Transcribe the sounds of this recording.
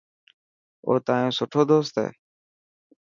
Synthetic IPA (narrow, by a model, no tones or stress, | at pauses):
o̰ːt̪aːjõːsʊʈʰoːd̪oːst̪ɦɛ̰ː